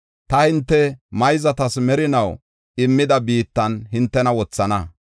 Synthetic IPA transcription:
t̪ɐhɪnt̪ːɛmɐjzɐt̪ɐsmɛɾɪnɐw | ɪmːɪd̪ɐbiːt̪ːɐnɦɪnt̪ːɛnɐwɔt͡sːɐnɐ

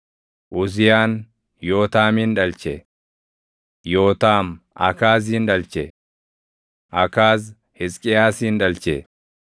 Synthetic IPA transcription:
ʔʊzɪjaːn | jo̞ːt̪aːminᶑɐlt͡ʃɛ | jo̞ːt̪aːm | ʔɐ̰kaːz̬inᶑɐlt͡ʃɛ | ʔɐkaːz | hɪskʼɪjaːsinᶑɐlt͡ʃɛ̰

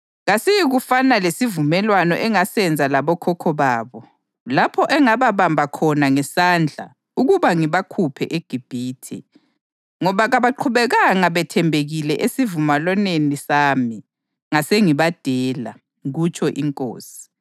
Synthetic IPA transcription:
ɣasijiɣufanalesivumɛlwanɔ̰ʔɛŋasɛnd͡zʱalaβɔkʰɔkʰɔβaːβɔ | lapʰɔʔɛŋaβaβambʱakʰɔnaŋɛsand͡ɮʱa̰ | uɣuβaŋiβakʰupʰɛʔeɡ̥ʱib̥ʱiːtʰɛ̰ | ŋɔβaɣaβaǃʰuβɛɣaŋaβɛtʰɛmbʱeɣilɛʔesivumalwanenisaːmi | ŋaseŋiβad̥ʱɛːla̰ | ɣut͡ʃʰʼɔʔiŋkʼo̰ːsi̥

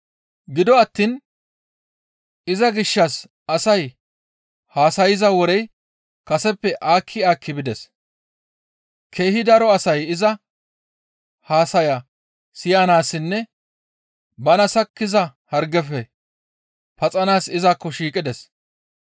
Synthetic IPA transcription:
ɡɪd̪ɔɐt̪ːin | ɪzɐɡɪʃːɐs | ɐsɐj | haːsɐjɪzɐwɔɾɛj | kɐsɛpːɛʔaːkʰːɪaːkːɪbɪd̪ɛs | kʰeːhɪd̪ɐɾɔɐsɐjɪzɐ | haːsɐjɐ | sɪjaːnaːsɪnːɛ | bɐnɐsɐkːɪzɐhɐɾɡɛfɛ | pɐt͡sʼɐnaːsɪzakːɔʃiːkʼɪd̪ɛs

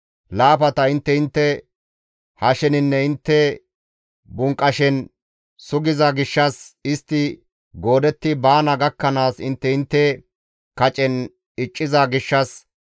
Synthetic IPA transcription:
laːpɐt̪ɐɪnt̪ːɛɪnt̪ːɛ | hɐʃɛnɪnːɛɪnt̪ːɛ | bʊŋkʼːɐʃɛn | sʊɡɪzɐɡɪʃːɐsɪst̪ːɪ | ɡo̞ːd̪ɛt̪ːɪbaːnɐɡɐkːɐnaːsɪnt̪ːɛɪnt̪ːɛ | kɐt͡ʃʼɛn | ɪt͡ʃʼːɪzaɡɪʃːɐs

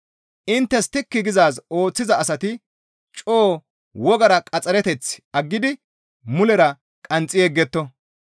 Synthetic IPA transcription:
ʔɪnt̪ːɛst̪ɪkːɪɡɪzaːso̞ːt͡sːɪzɐːsɐt̪ɪ | t͡ʃʼoː | wɔɡɐɾɐkʼɐt͡sʼːɐɾɛt̪ɛt͡sːɐɡːɪd̪ɪ | mʊlɛɾɐ | kʼɐnt͡sʼɪjeɡːɛt̪ːɔ

